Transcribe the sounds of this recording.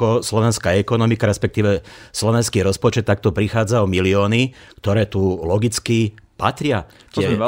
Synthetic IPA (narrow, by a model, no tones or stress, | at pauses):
ɔslɔʋɛnskaːɛkɔnɔmikaɾɛspɛk̚t̪iːʋɛslɔʋɛnskiːɾɔspɔt͡ʃɛt̪ːak̚t̪ɔpɾixaːd͡zaɔmiliɔːnikt̪ɔɾɛːt̪ulɔɡit͡skipat̪ɾɪa | t̪ɛ